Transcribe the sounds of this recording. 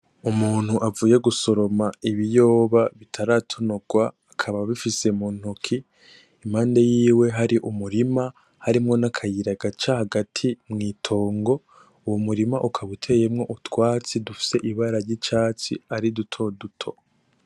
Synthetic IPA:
umuːn̥huʔavuːje̞ɡuso̞ɾo̞maiβijo̞ːβaβitʰaɾatʰo̞noɡ̥waːkʰaβaβifise̞muːn̥hukʰiː | mhaːnde̞jiːwe̞ɦaɾiʔumuɾima | haɾimŋo̞nakʰajiɾaɡat͡ʃahaɡatʰimŋiːtʰo̞ːŋɡo̞ | uwomuɾimaʔukʰaβutʰe̞je̞mŋo̞ʔutwaːt͡sidufi̥se̞ʔiβaɾaɾjit͡ʃaːt͡sḭaɾidutʰo̞dutʰo̞

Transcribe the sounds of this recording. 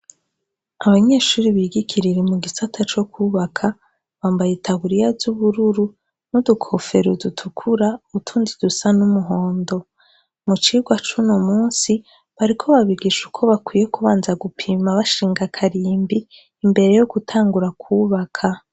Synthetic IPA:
aβaɲe̞ːʃuːɾiβiɡikʰiɾiɾemuɡisatʰat͡ʃo̞kʰuβakʰa | βaːmbajetʰaβuɾijazuβuɾuɾu | nudukʰo̞fe̞ɾudutʰukʰuɾauβutʰuːnzidusanumuɦo̞ːndo̞ | mut͡ʃiːɡwat͡ʃunomuːnsi | βaɾikʰo̞βaβiɡiʃukʰo̞βakwije̞kuβaːnzaɡupʰimaβaʃiːŋɡakʰaɾiːmbiː | mbe̞ɾe̞jo̞ɡ̥utʰaːŋɡuɾakʰuːβakʰa

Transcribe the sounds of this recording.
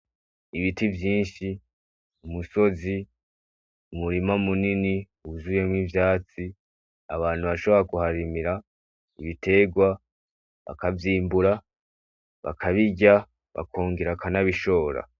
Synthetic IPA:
iβitivjiːnʃi | umuso̞zi | umuɾimamunini | uuzuje̞mŋivjaːt͡si | aβaːn̥huβaʃo̞βoɾakuhaɾimiɾa | iβite̞ɡwa | βa̰kavjiːmbuɾa | βa̰kʰaβiɟa | βa̰kʰoːŋɡiɾakanaβiʃo̞ːɾa̰

